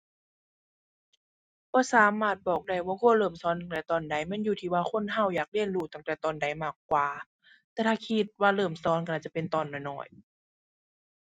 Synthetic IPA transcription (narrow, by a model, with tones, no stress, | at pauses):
b̥ɔː˧˦saː˨˦maː˧˩t̪̚bɔː˨˩k̚da˧˩jwaː˧kʰoː˧˥˨lɤː˧˩msɔː˨˦nt̪a˧˩ŋt̪ɛː˧˩t̪ɔː˨˩nda˧˦jmɛ˧˥˨njuː˧˩t̪ʰiː˧˩waː˧xʰo˧˥˨nɦa˧˩˨wjaː˨˩k̚li˧˥˨ənluː˧˩t̪a˧˩ŋt̪ɛː˨˩t̪ɔː˨˩nda˨˦jmaː˧˩kːwaː˨˩ | t̪ɛː˧˩t̪ʰaː˧˩kʰi˧t̪̚waː˧lɤː˧˩msɔː˨˦nka˧˩t͡ɕa˧˨pe˧˨nt̪ɔː˨nːɔ˧˩nɔ̰ː˧˩j